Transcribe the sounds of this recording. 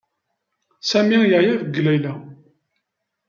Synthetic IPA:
sæmijəʕjæðəɡːlæjlæ

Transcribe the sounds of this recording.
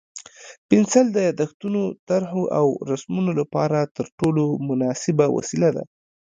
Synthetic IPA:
pɪnsald̪əjɑd̪axt̪unot̪aɾɦoʔawɾasmunolapɑɾat̪əɾʈolomʊnɑsɪbawa̰silad̪a̰

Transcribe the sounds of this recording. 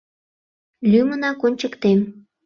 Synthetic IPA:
lʲymənɑkonʲt͡ɕəkt̪em

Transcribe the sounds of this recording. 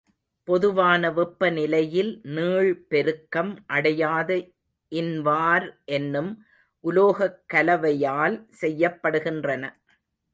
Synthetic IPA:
pɔðɯʋaːnɐʋɪpːɐnɪlɐjɪlnɯːɻpɛɾɯkːɐmʔɐɽɐjaːðɐ | ʔɪnʋaːɾʔɛnːɯm | ʔʊloːɣɐkːɐlɐʋɐjaːlsɛjːɐpːɐɽɯɣɪndrɐnɐ

